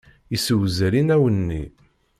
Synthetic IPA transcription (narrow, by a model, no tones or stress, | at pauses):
isəwzəɾinæwənːḭ